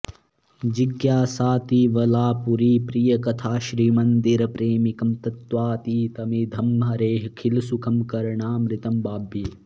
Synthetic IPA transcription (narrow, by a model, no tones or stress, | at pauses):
d͡ʒiɡjaːsaːt̪iːʋɐlaːpuɾiːpɾijɐkɐt̪ʰaːʃɾiːmɐnd̪iɾɐpɾeːmikɐmt̪ɐt̪ʋaːt̪iːt̪ɐmid̪ʱɐmɦɐɾeːɦkʰilsukʰɐmkɐɾɐɳaːmɾɪt̪ɐmbaːbʱi